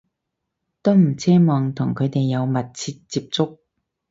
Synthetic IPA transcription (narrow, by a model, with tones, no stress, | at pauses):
t̪o˥m̩˨˩t͡sʰɛː˥mɔː˨ŋt̪ʰʊ˨˩ŋkʰɵ˨˧ɥt̪e˨jːɐ˨˧wmɐ˨t̚t͡sʰiː˧t̚t͡siː˧p̚t͡sʊ˥k̚